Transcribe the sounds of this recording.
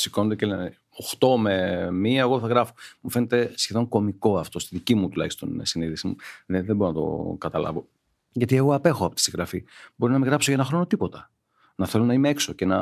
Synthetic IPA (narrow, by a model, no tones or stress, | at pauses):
sikonod̪ecelen | oxt̪o̞memiɐeɣoθɐɣɾɐfomufe̞net̪e̞sçe̞ðoŋko̞miko̞ɐft̪o̞st̪iðicimut̪ulɐ̰çi̥st̪o̞̰nsiniðisimṵðeðebo̞ɾonɐt̪o̰kɐt̪ɐlɐ̰vo̞ | ʝɐt̪ie̞ɣo̞ɐpe̞xoɐpot̪isiɣɾɐfibo̞ɾinɐmiɣɾɐpsocɐenɐxɾo̞no̞t̪ipo̞t̪ɐ | nɐθe̞lo̞nɐimeekso̞cenɐ